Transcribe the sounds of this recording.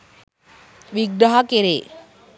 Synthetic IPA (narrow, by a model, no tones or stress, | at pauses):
ʋiɡɾaɦakeɾeː